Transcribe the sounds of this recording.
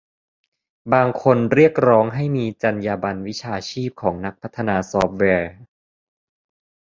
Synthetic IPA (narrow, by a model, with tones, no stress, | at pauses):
baː˧ŋkʰo˧nɾi˥˩ək̚ɾɔː˦˥ŋɦa˥˩jmiː˧t͡ɕa˧njaː˧ba˧nwi˦˥t͡ɕʰaː˧t͡ɕʰiː˥˩p̚kʰɔː˩˦ŋna˦˥k̚pʰa˦˥t̪ʰːa˧naː˧sɔː˦˥p̚wɛː˧